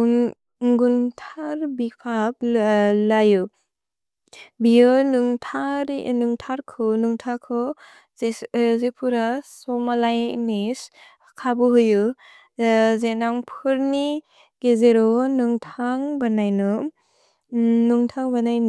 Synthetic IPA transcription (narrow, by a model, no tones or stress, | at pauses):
ŋɡuntʰaɾbipʰap̚lajɯ | bijɯnuŋtʰaɾnuŋtʰaɾkʰɯnuŋtʰakʰɯ | zezepʰuɾasɔmalajnis | kʰabɯɦujɯ | zenaŋpʰɯɾni | ɡezeɾɔnuŋtʰaŋbanajnɯ | nuŋtʰaŋbanajn